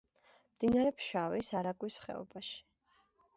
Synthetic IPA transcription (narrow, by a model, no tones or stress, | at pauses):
md̪inaɾɛpʰʃavisaɾaɡwisχɛ̰ɔ̰baʃi̥